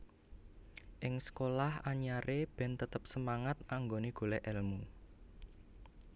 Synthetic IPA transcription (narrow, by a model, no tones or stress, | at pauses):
ʔɪŋsə̥kolahaɲaɾeb̥ɛ̤nt̪ət̪əp̚səmaŋat̪̚aŋɡoneɡ̥o̤lɛʔɛlmu